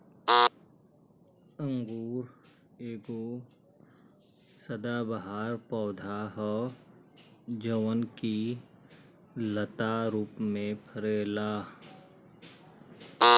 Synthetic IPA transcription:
ə̃ŋɡuːɾ | eːɡo | səd̪abəɦaːɾpɔːd̪ʱaɦɔ | d͡ʒəʋənki | lət̪aɾuːpmẽpʰəɾeːlaː

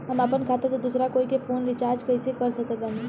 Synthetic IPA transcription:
ɦəməpənkʰat̪əɾsed̪usɾakoːikepʰoːnɾɪt͡ʃaːɾd͡ʒkəisekəɾsəkət̪ani

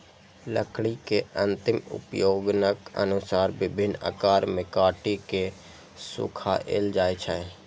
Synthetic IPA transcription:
ləkʰɽikeə̃nt̪ɪmʊ̰pjoːɡnəkə̰nʊsaːɾbɪbʱɪnːə̰ːkaːɾmẽkaːʈike | sʊ̰kʰaʔḛːld͡ʒaːet͡ʃʰə

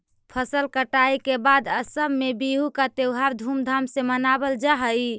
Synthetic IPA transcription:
pʰəsəlkəʈaikebad̪əsəmːebiɦukat̪ewɦaɾd̪ʱumd̪ʱamsemənabəld͡ʒaɦəj

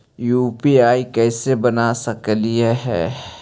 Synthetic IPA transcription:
juːpiaːikɛːsebɐnasɐklieɦɛ̰ː

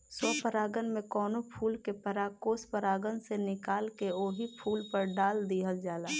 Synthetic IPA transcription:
sɔːpəɾaːɡənmẽkɔːnopʰuːlkepəɾakoːspəɾaːɡənsenɪkaːlkeoːɦipʰuːlpəɾɖaːld̪iːɦəld͡ʒaːlaː

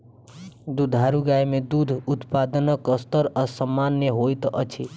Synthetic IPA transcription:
d̪ud̪ʱaɾuɡajmed̪ud̪ʱut̪pad̪ənəkəst̪əɾəsəmːanjəɦojt̪ʔət͡ʃʰi

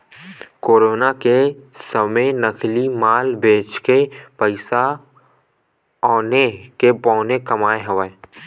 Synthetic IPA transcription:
koːɾoːnakesəməjnəkʰlimaːlbeːt͡ʃkepəɪsa | ɔːnekepɔ̃ːnekɐmaːeɦəʋə

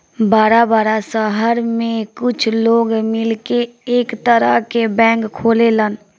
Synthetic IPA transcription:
baːɾabaːɾasəɦəɾmẽkʊt͡ʃʰloːɡmɪlkeːkt̪əɾəɦkebɛ̃ːŋkkʰːoːlelən

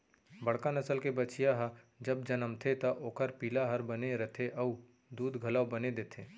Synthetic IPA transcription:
bɐɽ̤kanɐsəlkebɐt͡ʃijaɦa | d͡ʒɐb̚d͡ʒɐnəmt̪ʰet̪ɐʔoːkəɾpiːlaɦɐɾbɐneɾɐt̪ʰeʔɐu | d̪uːd̪ɡʱɐlaːwbɐned̪eːt̪ʰeː

